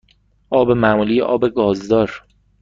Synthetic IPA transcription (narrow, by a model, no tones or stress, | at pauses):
ʔɒːbemæmuːliːjḛʔɒːbe̞ɡɒːzd̪ɒːɾ